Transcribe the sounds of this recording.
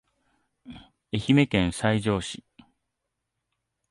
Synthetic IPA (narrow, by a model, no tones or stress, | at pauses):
e̞çime̞kẽ̞ɰ̃saiʑo̞ːɕi